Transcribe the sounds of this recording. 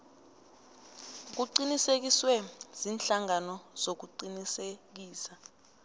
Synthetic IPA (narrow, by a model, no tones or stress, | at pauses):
k̬uǃinisek̬iswɛz̥inɬaŋanɔz̥ok̬uǃinisek̬iːsa